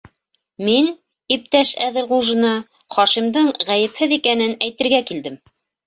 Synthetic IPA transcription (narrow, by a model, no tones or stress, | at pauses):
min | ip̚t̪æʃæðɘlʁulˠʒɤ̆nɑ | χɒʃimd̪ɤɴʁæjɘ̆phɘðikænɘnæjt̪ɘ̆ɾɡækild̪ɘm